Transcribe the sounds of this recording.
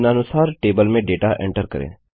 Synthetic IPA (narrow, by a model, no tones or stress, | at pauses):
nənʊsaːɾʈeːbəlmẽɖeːʈaʔḛ̃ɳʈəɾkə̰ɾḛ̃ː